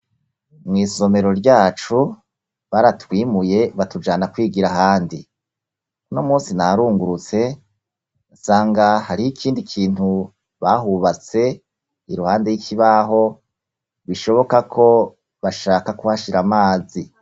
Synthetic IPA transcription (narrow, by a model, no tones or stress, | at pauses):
mŋiːso̞me̞ɾo̞ɾɟaːt͡ʃu | βaɾatwiːmuje̞βatud͡ʒaːnakwiːɡiɾaɦaːndi | uno̞muːnsinaɾuːŋɡuɾut͡se̞ | usaːŋɡahaɾijikʰiːndikʰiːnhu | βaɦuβat͡se̞ | iɾuhaːndejikʰiβaɦo̞ | βiʃo̞βo̞kakʰo̞ | βaʃaːkakuβaʃiɾamaːzi